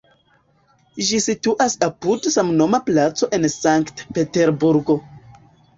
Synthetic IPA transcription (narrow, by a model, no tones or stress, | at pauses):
ʒisituʔasapudsamno̞maplat͡so̞ʔe̞nsaŋktpe̞te̞ɾbuɾɡo̞